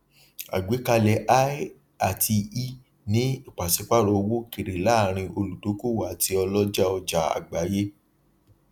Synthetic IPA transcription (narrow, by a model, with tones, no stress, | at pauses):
a̰˨ɡ͡be˨˦ka˧lɛ˧ʔa˦ | a˨tʰi˧i˧ | nĩ˨˦i˦˨k͡pa˨si˨˦k͡pa˦˨ɾo˧˨˧wo˦ki˨ɾe˨la˦˨ɾ̃ĩ˧o˧lu˨to˨˦ko˦˨wa˨ti˧ɔ˧lɔ˦d͡ʒa˦ɔ˧d͡ʒa˨a̰˨ɡ͡ba˨˦je˦